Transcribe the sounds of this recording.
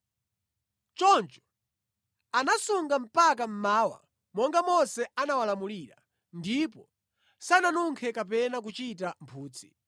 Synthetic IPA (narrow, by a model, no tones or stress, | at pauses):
t͡ʃɔnt͡ʃɔ̥ | anasuŋɡam̩pakam̩maːwa̰ | mɔŋɡamɔsɛanawalamuliːɾa̰ | ndipɔ | sananuŋkʰɛkap̬ɛnak̬ut͡ʃit̬am̩pʰuːt͡si